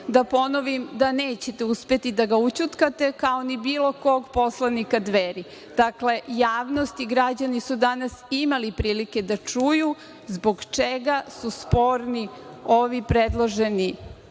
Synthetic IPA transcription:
d̪apo̞noʋimd̪aneːt͡ɕet̪e̞uspe̞t̪id̪aɡaut͡ɕut̪kat̪e̞kaonibiːlo̞koɡpo̞slanikad̪ʋeɾi | d̪̥akle̞jaːʋnost̪iɡɾad͡ʑanisud̪anasimalipɾiːlike̞d̪at͡ʃuju | zbo̞ɡt͡ʃeɡasuspo̞ːɾnioʋipɾed̪lˠoʒe̞ni

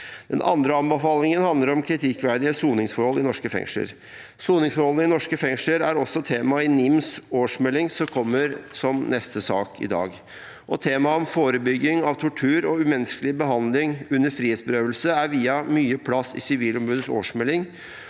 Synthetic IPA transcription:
d̪ɛnʔɑ̰nd̪ɾəɑmbəfɑːlɪŋənhɑnd̪ləɾɔmkʰɾɪt̪ʰɪkʋæd̪ɪəsuːnɪŋsfɔɾhɔlːɪnɔʂkəfɛ̰ŋʂə̰ɾ | suːnɪŋsfɔɾhɔlnəɪnɔʂkəfɛŋʂəɾæɾɔsːɔt̪ʰeːmɑɪnɪmsoːʂmɛlːɪŋsɔmkʰɔmːəɾsɔmnɛst̪əsɑ̰ːkʰɪ̰d̪ɑ̰ːɡ | ʔɔt̪ʰeːmɑɔmfoːɾəbʏɡːɪŋɑʋt̪ʰʊʈʰʉːɾɔʉmɛnskəlɪbəɦɑnd̪lɪŋʉnːəɾfɾiːeːt̪sbəɾøːʋəlsəæɾʋiːɑmyːəpʰlɑsːɪ̰sɪʋiːlɔmbʉːd̪əso̰ːʂmɛlːɪŋ

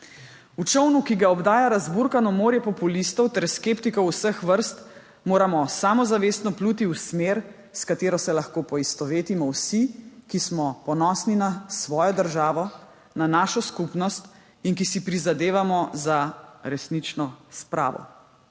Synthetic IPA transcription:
ut͡ʃɔwnukiɡaɔbd̪aːjaɾazbuɾkanɔmoːɾjɛpɔpulist̪ɔwt̪ɛɾskeːpt̪ikɔwwsəxʋəɾst̪ | moːɾamɔsamɔzaʋeːst̪nɔpluːt̪iwsmeːɾ | skat̪eːɾɔsɛlaxkoːpɔist̪ɔʋeːt̪imɔwsikismɔpɔnɔːsninasʋɔːjɔd̪əɾʒaːʋɔ | nanaːʃɔskupnɔst̪ | inkisipɾizad̪eːʋamɔzaɾɛsnit͡ʃnɔspɾʔa̰ːʋɔ̰

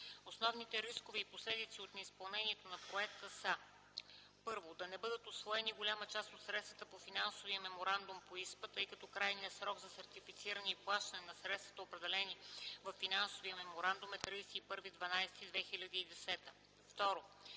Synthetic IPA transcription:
osnɔvnit̪ɛɾiskovɛiposlɛd̪it̪siot̪nɛispɐlˠnɛniɛt̪onɐpɾoɛk̚t̪əsə | pɤɾvod̪ɐnɛbɤd̪ət̪osvɔɛniɡolʲamət͡ʃast̪ot̪sɾɛt̪st̪vət̪əpofinansoviəmɛmoɾand̪ʊmpoispət̪ɤjkɐt̪ɔkɾajniəsɾɔɡzɐsɐɾt̪ifit̪siɾənɛiplˠaʃt̪ənɛnɐsɾɛt̪st̪vɐt̪əopɾɛd̪ɛlɛnivɐfːinansoviəmɛmoɾand̪ʊmɛt̪ɾijsɛipɤɾvid̪vɐnajsɛ̥t̪id̪vɛxilʲɐd̪əid̪ɛsɛt̪ə | ft̪ɔɾo

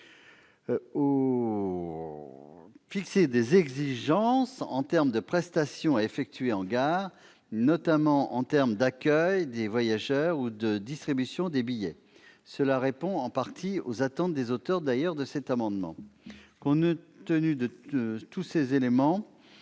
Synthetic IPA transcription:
o | fiksed̪ezɛɡziʒɑ̃sɑ̰̃t̪ɛʁmd̪əpχɛst̪asjɔ̃aefɛk̚t̪ɥeɑ̃ɡaʁ | nɔt̪amɑ̃ʔɑ̰̃t̪ɛʁmd̪akʲœjd̪evwajaʒœʁud̪əd̪ist̪χibysjɔ̃d̪ebijɛ | səlaʁepɔ̃ɑ̃paʁt̪ʰiozat̪ɑ̃t̪̚d̪ezot̪œʁd̪ajœʁd̪əsɛt̪amɑ̃d̪mɑ̰̃kɔ̃nt̪ənyd̪ət̪usezelemɑ̃

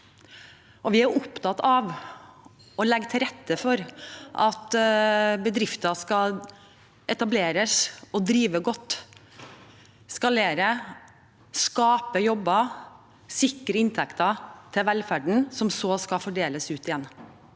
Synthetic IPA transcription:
ʔɔʋɪæɾʊpt̪ʰɑt̪ɑʋ | ɔlɛɡːt̪ʰɪɾɛt̪ːəfɔɾʔɑt̪ | bəd̪ɾɪft̪ɑskɑ | ɛt̪ɑbleːɾəsɔd̪ɾiːʋəɡɔt̪ː | skɑleːɾə | skɑːpəjɔbːɑ | sɪkːɾəɪnt̪ʰɛkt̪ɑt̪ʰɪʋɛlfæɖɳ̩sɔmsoːskɑfɔɖeːləsʉːt̪ɪjɛnː

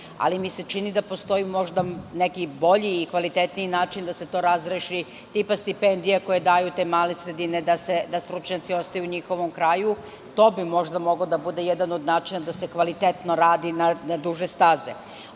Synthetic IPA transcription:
a̰limise̞t͡ʃinid̪apo̞st̪o̞jimo̞ʒd̪anekibo̞ʎiːkʋalit̪et̪niinaːt͡ʃind̪ase̞t̪o̞ːɾazɾeʃi | t̪ipast̪ipend̪ijako̞jed̪aːjut̪e̞ːmaːlesɾed̪ined̪ase̞d̪ast̪ɾut͡ʃɲat̪sio̞st̪ajuuɲixo̞ʋo̞mkɾaːju | t̪o̞ːbimo̞ʒd̪amo̞ɡod̪abud̪e̞jɛd̪ano̞d̪naːt͡ʃinad̪asekʋalit̪et̪no̞ɾaːd̪inanad̪uʒest̪azḛ

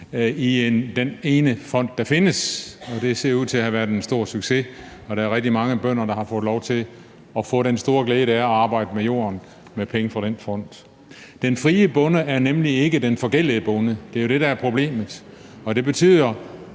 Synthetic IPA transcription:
iend̥ene̝ːnəfɒ̽n̰d̥ːɑ̈fe̝nəsɒ̽d̥e̝se̝ɐ̰uð̰ˠt͡sʰe̝æɦæʋæɐðˠensd̥o̝ɐ̰syɡ̥se̝ | ɒ̽ɾ̥ææɐʁɛɡ̥̚d̥imɑ̈ŋəb̥œn̰ɐd̥ɑ̈hɑ̈fɔ̽ːð̩ˠlɒʊt͡sʰe̝l | ɒ̽fɔ̰̽ːɾ̥ensd̥o̝ːɐɡ̥leːðˠdæɐɒɑ̈ːb̥ɑ̈ɪ̰d̥əmejo̝̰ːɐn | mepʰeŋəfɑ̈ɾ̥enfɒ̽n̰d̥ | d̥enfʁiːəb̥ɔ̽nəæɐnemlie̝ɡ̥əd̥enfɒ̽ɡ̥el̰iðəb̥ɔ̽nəd̥e̝æɐjo̝d̥e̝ɾɑ̈æɐpʰʁo̝b̥le̝̰ːməð̩ˠ | ɒ̽d̥e̝b̥e̝t͡sʰy̰ːð̰ˠɐ

